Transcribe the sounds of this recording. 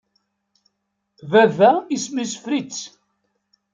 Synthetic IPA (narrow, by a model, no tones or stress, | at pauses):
vævæismisə̥fɾit͡sː